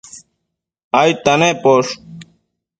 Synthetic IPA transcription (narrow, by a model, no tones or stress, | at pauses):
aːjt̪ɐneːpoːʂ